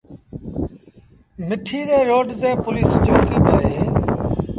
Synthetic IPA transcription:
mɪʈʰiːɾeːɾoːɖzeːpʊliːsd͡ʒoːkiːɗ̪aːɦeː

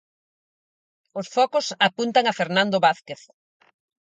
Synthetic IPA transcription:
osfɔkosapunt̪aŋafeɾnãnd̪oβaθkeθ

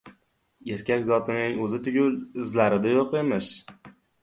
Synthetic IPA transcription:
e̞ɾkʲakʲzɒt̪ʰɪnɪŋɵzɪt̪ʰʊɡʲʊlɪzlaɾɪd̪ajoqemɪʃ

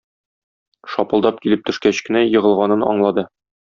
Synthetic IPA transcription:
ʃɒpɤ̆lˠd̪ɑp̚kilɘp̚t̪ɵ̆ʃkæɕkɘ̆næjɤ̆ʁɤ̆lˠʁɑnɤnɒ̰ɴlˠɑd̪ɤ

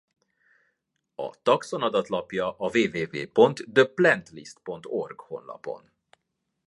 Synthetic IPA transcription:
ɒ̰t̪ɒkso̞nɒd̪ɒt̪lɒpjɒʔɒveːveːvḛːpo̞nt̪d̪øplɛnt̪lḭst̪po̞nt̪o̞rɡho̞̰nlɒ̰po̞̰n

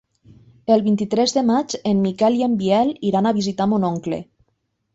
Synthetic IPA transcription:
elˠβint̪it̪ɾɛzðemad͡ʒenmːikɛliembiɛliɾanaβ̞izit̪amonɔŋklḛ

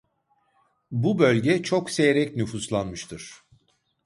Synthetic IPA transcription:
bubø̞lʲɟɛt͡ʃʰo̞kse̞jeɾɛcnyfuslˠanmɯʃt̪ʰɯɾ̥

